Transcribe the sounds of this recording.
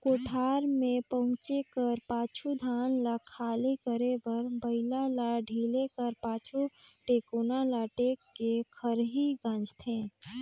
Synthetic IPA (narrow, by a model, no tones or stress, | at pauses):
koːʈʰaːɾmẽpəɦʊ̃t͡ʃekəɾpaːt͡ʃʰud̪ʱaːnlakʰaːlikəɾeʋəɾbəɪlalaɖʱiːlekəɾpaːt͡ʃʰuʈeːkuːnalaʈekːekʰəɾɦiɡãːnd͡ʒt̪ʰẽː